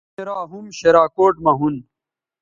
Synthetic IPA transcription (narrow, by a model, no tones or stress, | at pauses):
eɾaːɦumɕeɾaːkoːʈmɐɦun